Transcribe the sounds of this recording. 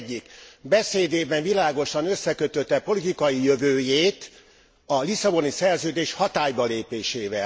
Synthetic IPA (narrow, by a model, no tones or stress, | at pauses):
ɟːikbɛseːd̪eːbɛɱvilaːɡo̞ʃɒnøsːɛkøt̪øt̪ːɛpo̞lit̪ikɒjijøvøːjeːt̪ | ɒlisɒbo̞nisɛrzøːd̪eːʃhɒt̪aːjbɒleːpeːʃeːvɛ